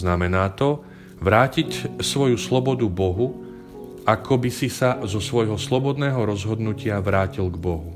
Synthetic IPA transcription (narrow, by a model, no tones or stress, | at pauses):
namɛnaːt̪ɔ | ʋɾaːcicsʋɔjuslɔbɔd̪ubɔɦu | ʔakʰɔbisisazɔsʋɔjɦɔslɔbɔd̪nɛːɦɔɾɔzɦɔd̪nucɪaʋɾaːcilɡbɔɦu